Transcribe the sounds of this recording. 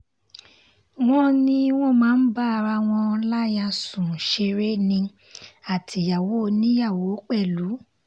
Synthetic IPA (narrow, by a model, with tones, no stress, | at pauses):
w̃ɔ̃˦nĩ˦w̃ɔ̃˦˨mãː˨˦n̩˦ba˦˧ɾa˧w̃ɔ̃˧la˦ja˧sũ˨ʃe˧ɾe˦nĩ˧ | a˨tʰi˨˦ja˨wo˨˦˧nĩ˦ja˦˨wo˨˦k͡pɛ˦˨lu˨˦